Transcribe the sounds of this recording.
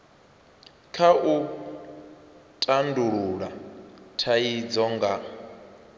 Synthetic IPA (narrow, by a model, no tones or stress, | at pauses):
kʰaʔu | tʼanduɺuɺatʰaid͡zɔŋɡa